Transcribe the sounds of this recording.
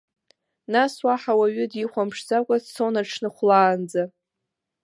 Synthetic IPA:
naswaħawaɥʏdiχʷamʂzakʷʼassownaʈ͡ʂʰnɨχʷlaːnd͡za

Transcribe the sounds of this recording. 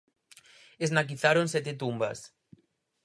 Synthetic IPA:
eznak̬iθaɾonsɛt̪et̪umbas

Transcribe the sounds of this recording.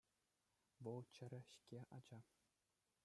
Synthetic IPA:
ʋɤ̆lˠt͡ɕɘ̆ɾʲɘ̆ɕkʲeʔɑd͡ʑɑ

